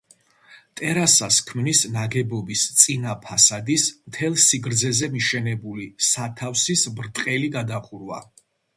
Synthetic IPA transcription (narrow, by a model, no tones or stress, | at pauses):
t̪ʼɛɾasaskʰmnisnaɡɛbɔbist̪sʼinapʰasad̪ismt̪ʰɛlˠsiɡɾd̪zɛzɛmiʃɛnɛbulisat̪ʰafsisbɾt̪ʼqʼɛliɡad̪aχuɾwa̰